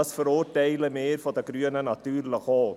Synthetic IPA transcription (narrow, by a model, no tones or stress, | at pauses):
əsfəɾoːrdejləmeːrfɑt̪əɡɾyənənɑt̪yːrləkɑːl